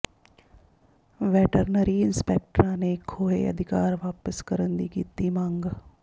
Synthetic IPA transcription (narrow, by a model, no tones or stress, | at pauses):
ʋɛːʈəɾnəɾiɪnspɛːk̚ʈɾãːnekʰoːḛɐ̰d̪ʱɪkaːɾʋaːpəskəɾənd̪ikiːt̪imãːŋɡ